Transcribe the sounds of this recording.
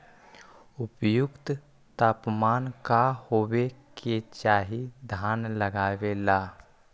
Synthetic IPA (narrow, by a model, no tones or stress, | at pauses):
ʊpjʊkt̪ | t̪aːpmaːnkahoːweket͡ʃaːɦid̪ʱaːnləɡaːʋelaː